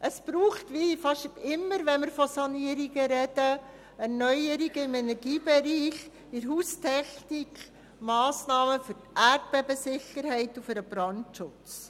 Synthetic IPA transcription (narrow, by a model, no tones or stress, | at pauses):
ʔəsb̥ɾuːχtʋifɑʃtɪmːəɾʋɛnmɪɾfɔsɑniəɾiɡəɾɛdə | æɾnœʏəɾiɡəɪmɛnɛɾɡiːbɛɾiːχ | ɪɾɦuːstʰɛχnikχ | mɑːsnɑːməfʏɾtært̚b̥ɛbəsɪχəɾhɛɪtufəɾəb̥ɾɑntʃʊt͡s